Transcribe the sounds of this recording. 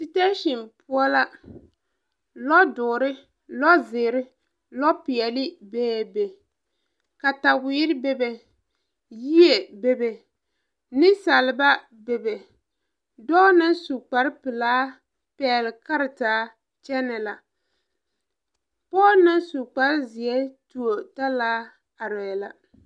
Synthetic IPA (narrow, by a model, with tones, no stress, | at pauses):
si˨te˦ʃɪ˨npu˦ɔ˦la˦ | lɔ˦dʊ˨ɾɪ˦ | lɔ˦zɪː˨ɾɪ˦ | lɔ˦pɪ˨ɛ˨lɪ˦bɛː˦be˨ | ka˨ta˨wiː˦ɾɪ˦be˦be˨ | ji˦e˨be˨be˨ | nɪ˦sa˨lɪ˨ba˦ | be˨be˨ | dɔː˦nɨ˦nsu˨k͡pa˨ɾɪ˦pɪ˨laː˦ | pɛː˦˨lɪ˨ka˦ɾɪ˨taː˨˦ | t͡ʃɛ˦nɛ˨la˨ | pɔː˦nɪ˦nsu˨k͡pa˦ɾzɪ˨ɛ˦tu˨o˨ta˦laː˦ | a˨ɾɛː˨la˨